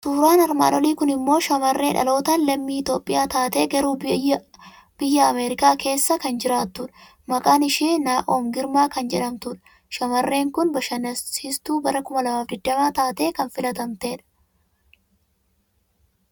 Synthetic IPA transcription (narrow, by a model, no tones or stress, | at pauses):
suːɾaːnɐɾma̰ːᶑɔliːkʊnɪmːo̞ːʃɐmɐrːe̞ːᶑɐ̰lo̞ːt̪ɐnlɐmːiːɪt̪o̞ːpʼːɪjaːt̪aːt̪e̞ːɡɐɾuː | b̥ɪjːɐːmeːɾɪkaːke̞ːsːɐkɐnd͡ʒɪɾaːt̪ːʊᶑɐ̥ | mɐkʼaːnɪʃiːnaːʔo̞ːŋɡɪɾmaːkɐnd͡ʒɛᶑɐmt̪ʊᶑɐ̥ | ʃɐmɐrːe̞ːŋkʊnbɐʃɐnɐɪst̪uːbɐɾɐkʊmɐlɐmaːfd̪ɪd̪ːɐmaːt̪aːt̪e̞ːkɐnfɪlɐt̪ɐnt̪eːᶑɐ̥